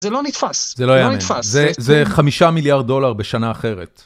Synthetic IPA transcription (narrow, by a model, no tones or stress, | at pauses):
zelonit̪faszelojanit̪faszezeχamiʃamiljaʁd̪̚dːo̞laʁbe̞ʃanaːχe̞ʁet̪